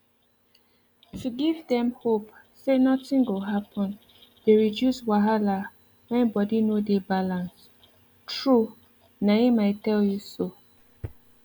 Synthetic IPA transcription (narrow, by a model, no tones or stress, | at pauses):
tʰuɡivdɛ̃mhop | senɔtĩŋɡoɦapɔ̃n | d̥eɹidjuswaɦala | wɛ̃nbɔdinodebalãns | tɹu | naimaɪtɛljuso